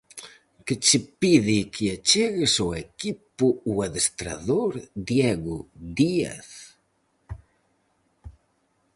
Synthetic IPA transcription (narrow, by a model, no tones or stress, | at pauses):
kɪt͡ʃɪpiðikʰɪat͡ʃeɣɪsoekipʊuaðest̪ɾa̰ðoɾd̪jɛɣʊd̪ia̰θ